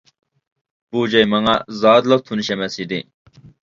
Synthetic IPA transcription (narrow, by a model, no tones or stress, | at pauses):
b̥ud͡ʒɑjmɑŋɑzɑːd̪lˠɑq̚t̪ʰunɨʃɛmɛsid̪ɪ